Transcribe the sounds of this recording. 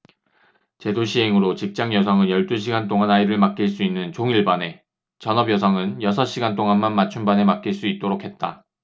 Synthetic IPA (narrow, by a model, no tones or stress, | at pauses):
t͡ɕe̞doɕʰiɦe̞ŋɯɾot͡ɕik̚t͡ɕ͈aŋjʌsʰʌŋɯnjʌɭt͈uɕʰiɡant͈oŋanaiɾɯɭmak͈̚iɭs͈uinːɯnt͡ɕoŋiɭbane̞ | t͡ɕʌnʌbjʌs̬ʰʌŋɯnjʌsʰʌɕ͈iɡant͈oŋanmanmat͡ɕʰumbane̞mak͈iɭs͈uit̚t͈oɾokʰe̞t̚t͈a